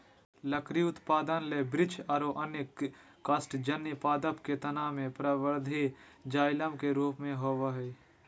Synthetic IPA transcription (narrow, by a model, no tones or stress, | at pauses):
ləkɾiʊt̪paːd̪ənlebɾɪt͡ʃɐɾoʔɐnɪkː | ɐsʈd͡ʒɐnːipaːd̪əpket̪ɐnaːmẽpɾaʋəɾd̪ʱi | d͡ʒaːɪləmkeɾuːpmẽɦoːʋaɦɛː